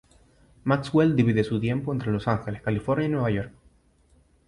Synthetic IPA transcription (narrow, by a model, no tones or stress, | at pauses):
maksweld̪iβiðesut̪je̞mpo̞ent̪ɾe̞lo̞saŋxe̞leskalifo̞ɾnjainwe̞β̞ajo̞ɾk̚